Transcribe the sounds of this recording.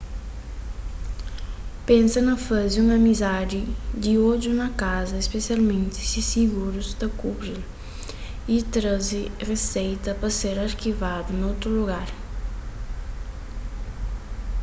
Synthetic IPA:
pẽnsɐnɐfazɪũmɐmizad̪ɪd̪ɪod͡ʒunɐkazɐespesialmẽnt̪ɪ̥sisiɡuɾʊzd̪ɐkubɾil | it̪ɾazɪresejt̪ɐpɐseɾɐɾkivad̪ʊnowt̪ɾʊluɡaɾ

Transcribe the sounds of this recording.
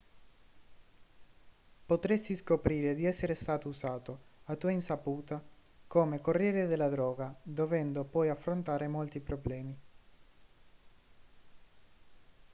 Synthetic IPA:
pot̪ɾest̪iskopɾiːɾed̪iɛsːeɾest̪aːt̪ousaːt̪oat̪uːainsapuːt̪akoːmekorːjɛːɾed̪elːad̪ɾɔːɡad̪ovɛnd̪opɔjafːɾont̪aːɾemolt̪ipɾoblɛːmi

